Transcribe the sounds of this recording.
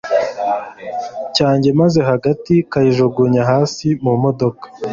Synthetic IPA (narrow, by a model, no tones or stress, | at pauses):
caːɲɟe̞maze̞ɦaɡatikajiʒoɡuɲaɦaːsimumo̞do̞kḁ